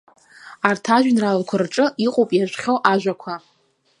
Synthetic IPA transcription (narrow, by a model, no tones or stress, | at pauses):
artʰaʒʷᶣnralkʷʰarʈ͡ʂʼɨiqʼopʼjaʒʷχʲowʔaʒʷᶣakʷʰa